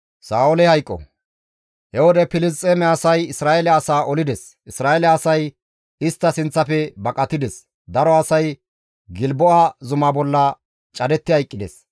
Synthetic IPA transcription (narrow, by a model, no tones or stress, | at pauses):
saːʊlɛhɐjkʼːɔ̰ | hɛwɔd̪ɛpɪlɪs̬t̪ʼːeːmɛɐsɐjɪsɾaːʔɛlɛɐsaːʔɔlɪd̪ɛs | ɪsɾaːɛlɛɐsɐj | ɪst̪ːɐsɪnt͡sːɐfɛbɐkʼɐt̪ːɪd̪ɛs | d̪ɐɾɔɐsɐj | ɡɪlbɔʔazʊmabɔlːɐ | t͡ʃʼɐd̪ɛt̪ːɪhɐjkʼːɪd̪ɛs